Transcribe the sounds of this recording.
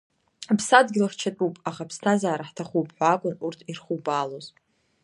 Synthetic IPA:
apʰsadɡʲɪlaχt͡ʃʰatʼupʼaχapʰstʰazaːɾaħtʰaχupʰʼħʷakʷʼʊnurtʰirχubaːloz

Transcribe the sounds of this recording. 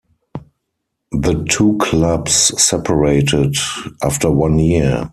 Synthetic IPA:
ðətʰuːkʰlabsːɛpʰəɹeɪtɪdʔaftə˞wãnji

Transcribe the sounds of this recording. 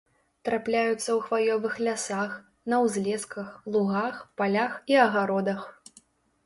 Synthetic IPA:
t̪ɾaplʲajut̪sːɐwxvalʲɔvɨxlʲasax | nɐwzʲlʲɛskɐxlˠuɣaxpalʲaxiɐɣaɾɔd̪ɐx

